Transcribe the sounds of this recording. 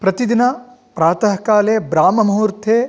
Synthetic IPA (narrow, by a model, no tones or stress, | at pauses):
pɾɐt̪id̪inɐ | pɾaːt̪ɐɦɐkaːleːbɾaːmɐmɐɦuːɾt̪ʰeː